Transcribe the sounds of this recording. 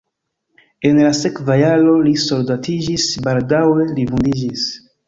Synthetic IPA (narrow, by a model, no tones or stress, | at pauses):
e̞nlase̞kvajalo̞liso̞ldatid͡ʒisbaldawe̞livundid͡ʒis